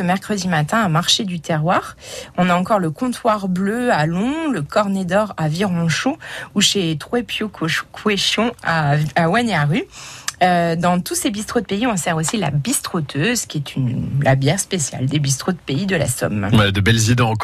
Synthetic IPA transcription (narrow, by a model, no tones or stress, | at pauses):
əmɛʁkχəd̪imat̪ɛ̃amaʁʃed̪yt̪ɛʁwaːʁɔ̃naɑ̃kɔʁləkɔ̃t̪waʁbløalɔ̃ləkɔʁned̪ɔʁaviʁɔ̃ʃouʃet̪χwepjokʰweʃjɔ̃aawɛneaʁyød̪ɑ̃t̪usebist̪χod̪əpeiɔ̃sɛʁosila̰bist̪χot̪ʰøzkʲiɛt̪ʰynlabjɛʁspesja̰ld̪ebis̬t̪χod̪əpeid̪əla̰sɔ̰mwɛd̪əbɛlzid̪ẽ